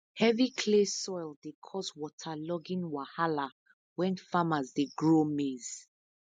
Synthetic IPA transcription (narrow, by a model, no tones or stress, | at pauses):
hɛvikʰlesɔjldekʰɔswɔtʰalɔɡĩnwahala | wɛ̃nfamazdeɡɹomez̥